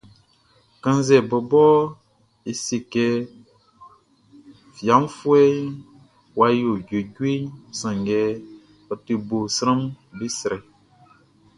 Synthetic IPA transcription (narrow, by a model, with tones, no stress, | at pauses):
kə̃˦n˦zɛ˨bə˨bɔ˦ | i˨si˨kɛ˧ | fi˨a˨˦m˦fu˦ɛ˦ | wa˧jo˨ɟe˨ɟwi˦ɲsə̃˨ŋ˨ɡɛ˨˦ | ə˨ti˨bo˨sɾə˦m | bi˦sɾɛ˨